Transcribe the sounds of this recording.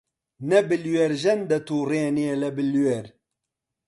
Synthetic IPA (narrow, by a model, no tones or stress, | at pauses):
nɛbɨlweɾʒɛnd̪ɐt̪uːreːneːlɛbɨlweɾ